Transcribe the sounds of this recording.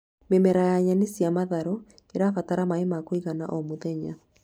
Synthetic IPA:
memɛɾajaɲanesjamaðaɾɔ | eɾafataɾamaemakoiɣana̰ʔɔmoðɛɲa

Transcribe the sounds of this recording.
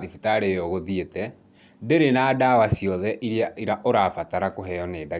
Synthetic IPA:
ifitaɾeoɣoðietɛ | deɾenaːdawasjɔðɛʔiɾjaiɾaʔoɾaːfataɾakoɦɛjɔneda

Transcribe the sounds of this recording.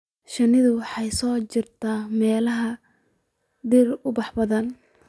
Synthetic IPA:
ʃɐnɪðʊwɑħɑjsɔːt͡ʃɪrt̪ʰaːmɛːlɐɦɐ | d̪irʊbɑħbɐðɐn

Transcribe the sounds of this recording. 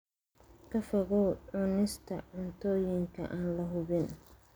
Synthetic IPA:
kʰɐfɐɣɔʕʊnɪst̪ʰɐ̰ʕʊnt̪ʰɔːjɪŋkʰɐ̰ʔaːnlɐɦʊβɪn

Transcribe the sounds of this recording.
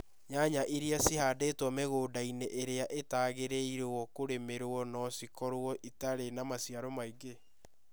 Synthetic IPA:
ɲaɲaʔiɾeasihaːdeːtwɔmeɣoːdaineʔeɾeaʔetaːɣeɾeiɾewɔkoɾemeɾɔnɔsikɔɾoɔʔitaɾenamasiaɾomaiɡe

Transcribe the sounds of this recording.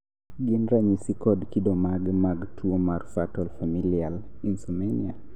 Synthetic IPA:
ɡɪnɾaɲisikɔdkidɔmaɡmaɡtʰuomarfatɔlfamilialinsɔmenia

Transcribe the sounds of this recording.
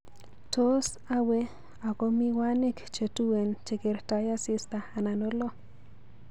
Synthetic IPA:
t̪os | awe | akomiwanikt͡ʃet̪uwent͡ʃekiɾt̪ajasist̪aːnanolo

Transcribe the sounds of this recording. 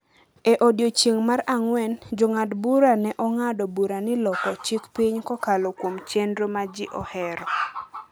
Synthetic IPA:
eʔodjot͡ʃeŋmaɾaŋwɛnd͡ʒoŋadbuɾanɛʔɔŋadɔbuɾanɪlɔkɔt͡ʃikpiɲkɔkalɔkwomt͡ʃendɾomad͡ʒɪʔɔhɛɾɔ

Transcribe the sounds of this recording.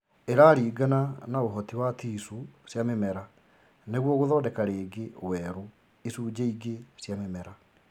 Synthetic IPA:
eɾaɾiːɡananaoɦɔtiwatiːsusjamemɛɾa | neɣwɔɣoðɔːdɛkaɾeːɡewɛɾu | isuːd͡ʑeiɡesjamemɛɾa

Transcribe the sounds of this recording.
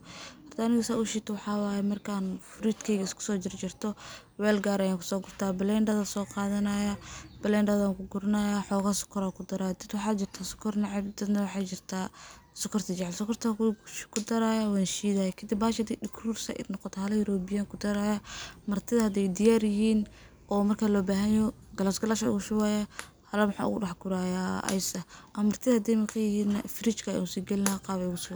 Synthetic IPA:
hɐrt̪ʰaːnɪɣɐsaːʊʃɪt̪ʰwɑħɑːwaːjɛmɐrkʰanfʊɾit̪kʰɛɣɐɪskʰʊ̥sɔːt͡ʃɪrt͡ʃɪrt̪ʰɔ | wɛːlɡaːɾɐjaːŋkʰʊ̥sɔːɡʊrt̪ʰaːbɪlɛndɐðasɔːqɑːðɐnɐjabɐlɛnɖɐðaːŋkʰʊɡʊɾɐnɐjaːħɔːɣasʊ̥kʰːɐɾaːkʰʊd̪ɐɾaːjɐd̪ɐd̪wɑħɑːt͡ʃɪrt̪ʰaːsʊ̥kʰɐrnɑʕɪbd̪ɐd̪nɐwħɑt͡ʃɪrt̪ʰaː | sʊkʰɐrt̪ʰɐt͡ʃɛʕɛlsʊkʰɐrt̪ʰɐkʰʊd̪ɐɾaːjawaːnʃiːðajɛkʰɐd̪ibaːʃhɐd̪iɗɪkʰruːrsa̰ʔɪ̰nɔqɔt̪ʰɔhɐlɐjʊɾɔːbɪjaŋkʰʊd̪ɐɾaːjamɐrt̪ʰɪðɐhɐd̪ɛjd̪ɪjaːɾjɪɦiːn | ɔːmɐrkʰaːlɔːbaːɦɐjjɔ | ɡɐlasɡɐlaʃɐʊ̰ɣʊʃʊwaːja | hɐlɐmħa̰ːʊ̰ɣʊɗɑħɡʊɾaːjaːɐ̰jsɐʔɐmɐrt̪ʰɪðɐhɐd̪ɛjmɐkʰɐjɪhiːnfɪɾɪt͡ʃkʰɐ̰ʊsiːɡɛlɪnaqɑːβɛjɣʊsw

